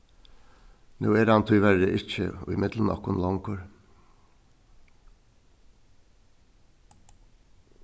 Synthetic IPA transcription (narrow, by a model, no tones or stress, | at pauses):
nuːeːɾɑnt̪ʰʏʏʋæɾəʔɪçə̰o̰ːɪmɪd̪lən̩ɑ̰knlɑŋkʰoɾ